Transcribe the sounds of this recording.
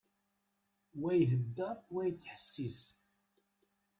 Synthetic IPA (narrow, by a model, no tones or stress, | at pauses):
wæjɦəd̪ːəɾˤwæjət͡sːħə̥sːis